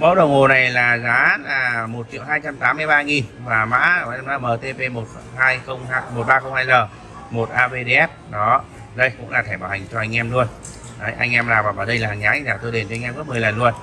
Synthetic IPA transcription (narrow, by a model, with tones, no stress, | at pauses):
mə˨˦wɗə˨˩wŋ͡mo˨˩na˨˩jlaː˨˩zaː˨˦˨mo˨˩t̚t͡ɕḭ˧˨əwɦaː˧jt͡ɕa˧mt̪aː˨˦mːɨ˧əjɓaː˧ŋi˨˩nvaː˨˩ma̰ː˧˥˨naː˧˩məː˨˩t̪e˧pe˧mo˨˩t̚ | haː˧jxə˧wŋ͡maː˧mo˨˩t̚ɓaː˧xə˧wŋ͡mhaː˧jzəː˨˩ | mo˨˩t̚ʔaː˧ve˧ɗe˧ʔɛ˦˥p̚ɗɔ˨˦ | ɗə˧jkʊ̰˧˥ŋ͡mlaː˨˩t̪ʰɛ˧˩ɓaː˧˩wha˨˩ŋ̟t͡ɕɔ˧ʔa˧jŋ̟ʔɛ˧mlu˧ən | ə˨˦jʔa˧jŋʔɛ˧mlaː˨˩vaː˨˩vaː˨˩ɗə˧jlaː˨˩ha˨˩zaː˨˦˧ŋzaː˨˩t̪o˧jɗe˨˩nt͡ɕɔ˧ŋʔɛ˧mkɨ˦˥mɨ˨˩əjlə˨˩nlu˧ən